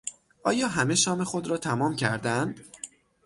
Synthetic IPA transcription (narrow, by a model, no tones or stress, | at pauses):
ʔɒːjɒːɦæme̞ʃɒːmexo̞d̪ɾɒːt̪ʰæmɒːmcʰæɾd̪ænd̪̥